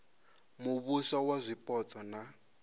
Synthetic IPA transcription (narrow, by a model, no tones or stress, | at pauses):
muβusawazʷipʼɔt͡sʼɔna